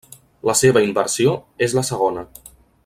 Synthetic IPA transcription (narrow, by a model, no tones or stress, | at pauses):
ləseβəimbəɾsioezləsəɣonə